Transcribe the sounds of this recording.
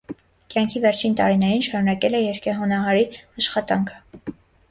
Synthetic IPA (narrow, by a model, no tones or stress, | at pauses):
kjɑŋkʰivɛɾt͡ʃʰint̪ɑɾinɛɾinʃɑɾunɑkɛlɛjɛɾkʰɛɦɔnɑɦɑɾiɑʃχɑt̪ɑŋkʰə̥